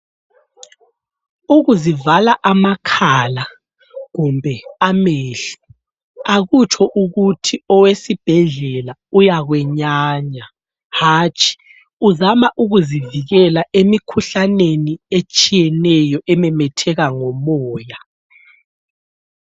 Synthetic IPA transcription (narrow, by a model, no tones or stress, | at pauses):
uɣuzivalaʔamakʰala | ɣumbʱɛameɬi̥ | aɣut͡ʃʼʰɔʔuɣutʰiɔwesib̥ʱɛɮɛlaujaɣwɛɲaːɲa | haːt͡ʃʰʼi̥ | uzamaʔuɣuziviɣɛlaʔemikʰuɬaneniet͡ʃʼijɛnɛjɔʔɛmɛmɛtʰɛɣaŋɔmɔːja